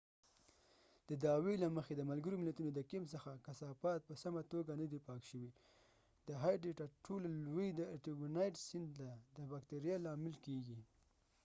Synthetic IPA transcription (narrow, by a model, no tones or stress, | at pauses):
d̪̥əd̪ɑwelaməxed̪əmalɡəɾomɪlat̪unod̪əkɪms̬əxakasɑpɑt̪̚pəsamat̪oɡanad̪ipɑkʃəwi | d̪̥əɦɑjɖeʈɑʈʰollwijd̪əaʈibunɑjʈsɪnd̪lad̪əbakt̪eɾijɑlɑmɪlkeɡi